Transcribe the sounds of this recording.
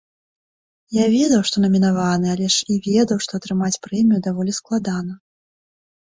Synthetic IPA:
javʲɛd̪ɐwʂt̪ɔnɐmʲinavanɨalʲɛʂivʲɛd̪ɐwʂt̪ɔɐt̪ɾɨmat͡sʲpɾɛmʲijud̪avɔlʲisklˠad̪anɐ

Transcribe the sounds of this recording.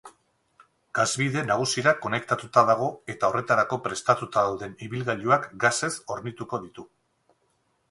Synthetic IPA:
ɡ̥azβiðe̞naɣ̞usiɾako̞ne̞kt̪at̪ut̪aðaɣ̞o̞e̞t̪ao̞re̞t̪aɾako̞pɾe̞st̪at̪ut̪aðawðe̞niβilɣaʎuakɡase̞so̞ɾnit̪uko̞ðit̪u

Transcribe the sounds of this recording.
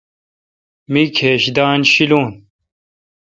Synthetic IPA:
mikʰeːɕd̪aːnɕiluːn

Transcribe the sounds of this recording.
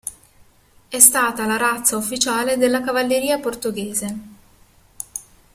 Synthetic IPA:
ɛst̪aːt̪alaɾat̪saufːit͡ʃaːled̪elːakavalːeɾiːaport̪oɡeːze

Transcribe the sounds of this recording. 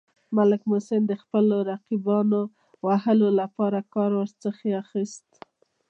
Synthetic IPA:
malɪkmosɪnd̪əxpəloɾaqibɑno | waɦəlolapɑɾakɑɾwəɾt͡səxeaxist̪

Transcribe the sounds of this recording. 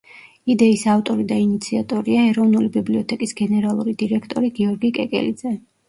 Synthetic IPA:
id̪ɛisaft̪ʼɔɾid̪ainit̪sʰiat̪ʼɔɾiaɛɾɔvnulibibliɔt̪ʰɛkʼisɡɛnɛɾalˠuɾid̪iɾɛkʰt̪ʼɔɾiɡiɔɾɡikʼɛ̰kʼɛ̰lid̪zɛ

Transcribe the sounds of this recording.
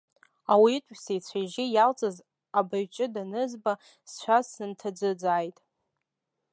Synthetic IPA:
awiːtʷʼsejt͡sʷʰajʒɪjalt͡sʼaz | abaɥt͡ʃʼɪdanɨzba | st͡ʃʷʰasːɨntʰad͡zɨd͡zaːjtʼ

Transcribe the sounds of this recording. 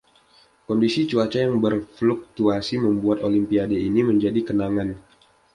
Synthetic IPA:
kɔndisit͡ʃuat͡ʃajaŋbərfluk̚t̪uasiməmbuat̪olimpiadeiniməɲd͡ʒadikənaŋan

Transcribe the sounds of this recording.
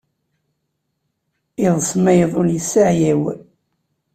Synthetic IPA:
ɪðˤsˤmæjəðˤʊljəsːaʕjæw

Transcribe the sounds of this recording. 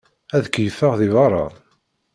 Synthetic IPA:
æðəkːjəfːəʁðɪvɑɾˤːɑ̰

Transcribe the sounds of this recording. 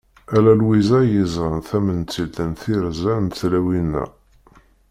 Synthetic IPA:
ælælwizæjəzʁənθæmənt͡sːilt̪ənθiɾzænt̪θlæwinːæ̰

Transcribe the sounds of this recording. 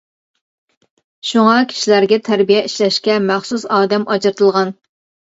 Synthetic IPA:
ʃuŋɑkʲʰi̥ʃilæɾɡʲɛt̪ʰæɾbijɛiʃlɛʃkʲɛmæχsusɑːd̪ɛmʔɑt͡ʃɨɾt̪ʰɨlˠʁɑn

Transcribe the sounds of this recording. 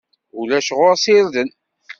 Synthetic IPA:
ulæʃʁʊɾsɪɾðən

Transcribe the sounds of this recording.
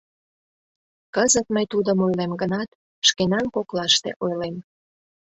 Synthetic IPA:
kəzət̪məjt̪ud̪əmojlemɡənɑt̪̚ | ʃkenɑnkoklɑʃt̪ḛʔojlem

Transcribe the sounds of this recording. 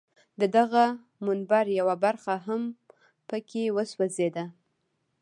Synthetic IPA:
d̪əd̪aɣa | mʊnbaɾjawabaɾxaɦam | pəkʰewəswazed̪a

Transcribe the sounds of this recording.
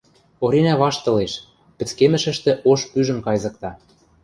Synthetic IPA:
oɾenæβɑʃt̪ɤ̆leʃ | pɘ̆t͡skemɘ̆ʃɘ̆ʃt̪ĕʔoʃpyʒə̆mkɑjzɤ̆k̚t̪ɑ

